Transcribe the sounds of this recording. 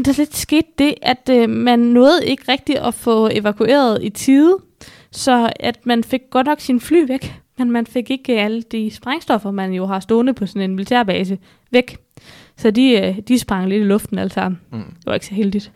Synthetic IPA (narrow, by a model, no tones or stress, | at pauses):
d̥ɑle̝d̥sɡ̥e̝̰ːd̥ːe̝ʔæd̥mænːɔ̽ːð̞̩ˠe̝ɡ̥əʁɛɡ̥̚d̥iʔɒfɔ̽e̝ʋækʰuʔe̝̰ːɐð̞ˠit͡sʰiːðˠ | sɒ̽æd̥mænfe̝ɡ̥̚ːɒ̽d̥nɒ̽ɡ̥sinfly̰ːʋeɡ̥menmænfe̝ɡ̥e̝ɡ̥æləd̥isb̥ʁɑ̈ŋsd̥ɒ̽fɐmænjo̝ɦɑ̈sd̥o̝̰ːnəpʰɒ̽sɔ̽ne̝nmilit͡sʰeɐb̥ɛːsə | ʋeɡ̥ | sɒ̽d̥id̥isb̥ʁɑ̈ŋle̝d̥ilɔ̽fd̥n̩ælsɑ̈m̰n̩d̥e̝ʋɑ̈e̝ɡ̥sɒɦeld̥id̥